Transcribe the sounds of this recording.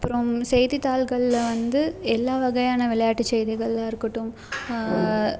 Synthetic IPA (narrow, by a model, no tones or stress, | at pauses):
ɐpːɯɾɐmsɛjðit̪aːlɣɐɭɪlʋɐnd̪ɯɛlːaːʋɐɣɐjaːnɐʋɪɭɐjaːʈːit͡ʃːɛjðɪɣɐɭɪlaːɪɾɯkːɐʈːɯm